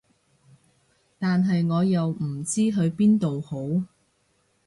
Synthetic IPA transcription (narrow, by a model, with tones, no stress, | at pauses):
t̪aː˨nɦɐ˨jŋɔː˨˧jɐ˨wm̩˨˩t͡siː˥ɦɵ˨˧ɥpiː˥nt̪o˨who˨˥w